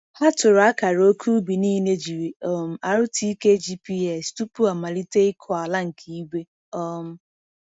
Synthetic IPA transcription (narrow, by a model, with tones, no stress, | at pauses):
ha˦tʊ˨ɾa˦ka˨ɾo˦kʰu˦bi˨niː˦ne˦d͡ʒi˨ɾi˨ɔ˦m̩˦a˨ɾʊ˦tʰi˦i˦ke˦d͡ʒi˦pi˦e˨stu˦pu˦a˨ma˨li˦te˦ɪ˦kʰɔ˨a˨la˦ŋ̩˨kʰi˦i˦ɡʷe˦ | ɔ˦m̩˦